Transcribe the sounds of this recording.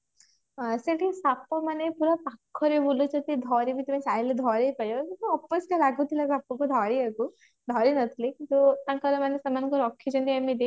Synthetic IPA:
seʈʰisapɔmanepuɾɔpakʰːɔɾebulut͡ʃʰɔt̪id̪ʱɔɾibit̪umisajiled̪ʱɔɾejpajokint̪uɔpːɔskalaɡut̪ʰilasapːɔkud̪ʱɔɾieku | d̪ʱɔɾinʌt̪ʰilikint̪ut̪ãkɔɾemanesamanɔŋkɔɾɔkʰːid͡ʒɔnt̪iamid̪e

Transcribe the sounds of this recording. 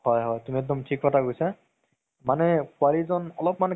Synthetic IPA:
hɔjɦɔjtumiɛk̚dɔmtʰikːɔtʰaɡojsa | manɛkʊalizɔnɔlɔpman

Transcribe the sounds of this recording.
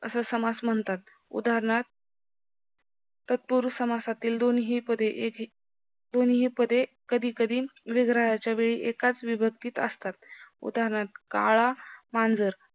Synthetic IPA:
ə̰səsəmasməɳt̪at̪ | ṵd̪aɾɳat̪̚ | ət̪̚puɾsəmasat̪iːld̪onɦiːpəd̪ʱeʔeki | d̪onɦiːpəd̪ʱekəd̪ʱiːkəd̪ʱiːʋiɡɾajat͡ɕjaʋeɭḭʔekat͡sʋibʱək̚t̪iːt̪ə̰st̪at̪̚ṵd̪aɾɳat̪̚ka̰ɭamand͡zəɾ

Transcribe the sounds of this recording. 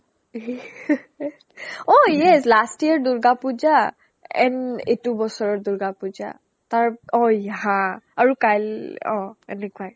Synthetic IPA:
ojɛslastiaɹduɹɡapuza | ɛ̰nḛtubɔsɔɹɔɹdʊɹɡapuza̰ | taɹɔ̃jaɦãaɹukajlɔ̰̃ɛnɛkuaj

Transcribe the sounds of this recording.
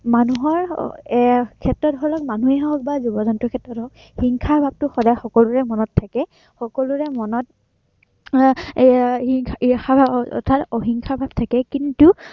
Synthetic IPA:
manuɦɔɹ | kʰɛtːɔtɦɔlɔk̚manuɛɦaɦɔk̚bazubɔzɔntɹɔkʰɛtɹɔtɔɦɔk | hiŋkʰaɹbʱab̚tʊxɔdajxɔkɔluɹɛmɔnɔtʰːakɛ | xɔkɔluɹɛmɔnɔt̚ | iŋʰixabʱɔ̰tʰatoɦiŋkʰaɹbʱab̚tʰakɛkintu

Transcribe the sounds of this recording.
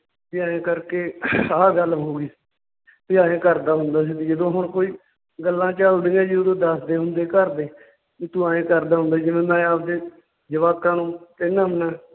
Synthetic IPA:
p̪ɪjaːẽːkəɾkeːaːɡəlɦoːɡiː | p̪ɪãːẽːkəɾd̪aːɦʊ̃nd̪aːs̬iːd̪iːd͡ʒəd̪õːɦʊɳkoːiː | ɡəlːãːt͡ʃəld̪ẽːãːd͡ʒiːod̪õːd̪əsd̪eːɦʊ̃nd̪eːkəɾd̪eː | iːt̪ũãːẽːkəɾd̪aːɦʊnd̪aːd͡ʒɪʋẽːd̪ãːaːp̚d̪eː | d͡ʒəʋaːkãːnũːt̪ɪnːamnaː

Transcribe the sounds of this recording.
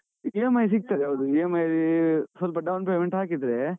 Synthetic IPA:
ijemɐjs̬ik̚t̪aɾeɐd̪uiemɐjɾisɐlp̬ɐɖɐwnpeːmeɳʈɦaːkid̪ɾe

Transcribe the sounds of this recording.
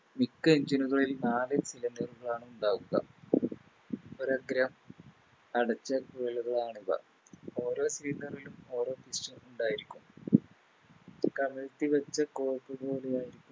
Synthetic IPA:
mikːɨeɲd͡ʑinuɣɐrilnaːlɨsilɐndɐruɣɐɭaːɳɨuɳɖaːɣuɣɐ̰ | oɾɐɡɾɐm | ɐɽɐt͡ɕːɐkuɐɭuɣɐɭaːɳiðɐ̰ | o̞ːɾo̞ːsiɾiːnːɐrilumo̞ːɾo̞ːpisʈɐnuɳɖaːjiɾikʲːum | kɐmɐlɐt̪ːiʋɐt͡ɕːɐko̞ːrkːɨbo̞ːlejaːjiɾikʲːum

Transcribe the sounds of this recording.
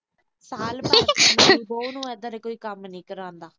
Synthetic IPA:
saːlba | boːnũːɛd̪əɾɛːkoːiːkəmnĩːkəɾãːnd̪aː

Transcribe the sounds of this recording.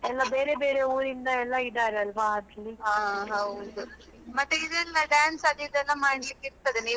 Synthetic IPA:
ɛlːabeːɾebeːɾeuːɾind̪ɐɛlːaiɖ̪aːɾeɐlʋaat̪liaːɦɐwd̪u | mɐt̪ːeid̪enɐɖjaːnsɐd̪id̪ɛlːɐmaːɽɽɐlikːiɾt̪ːɐd̪eniː

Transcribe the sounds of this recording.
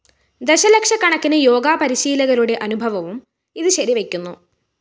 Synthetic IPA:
d̪e̞ɕɐlekʂɐkːɐɳɐkːinɨjo̞ːɡaːpɐɾiɕiːlɐɣɐluɽe̞ʔɐnubʱɐʋɐʋum | iðɨɕɐɾiʋe̞kʲːunːu

